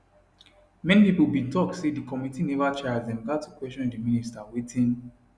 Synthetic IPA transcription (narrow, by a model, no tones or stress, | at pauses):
mɛ̃nipipulbĩntɔktsedikɔmitinɛvat͡ʃɛaddɛ̃nɡatʰukwɛstɔ̃ndimĩnistawetʰĩn